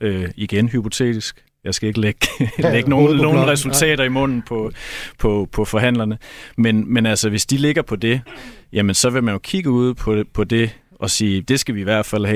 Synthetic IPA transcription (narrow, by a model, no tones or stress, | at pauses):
øiɡ̥enɦypʰo̝t͡sʰe̝̰ːd̥isɡ̥ | jɑ̈ɪsɡ̥æe̝ɡ̥əleɡ̥leɡ̥əno̝ːnno̝ːn̩n̩ʁɛsult͡sʰɛ̰ːɾɐimɔ̽n̰n̩pʰɒ̽pʰɒ̽pʰɒ̽fɒ̽ɦæn̰lɐnəmenmenælsɐʋe̝sd̥ile̝ɡ̥ɐpʰɒ̽d̥e̝jʔæmənsɒ̽ʋe̝mænjo̝kʰiɡ̥əuð̞̰ˠpʰɒ̽pʰɒ̽de̝ | ʔɒ̽siːd̥e̝sɡ̥æʋiːʋæɐ̰d̥fæl̰hɛ